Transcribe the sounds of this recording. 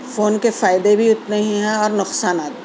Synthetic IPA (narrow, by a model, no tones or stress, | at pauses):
foːnkefaːɪd̪ebʱiʊt̪neɦĩɦɛ̃ɔːɾnʊqsaːnaːt̪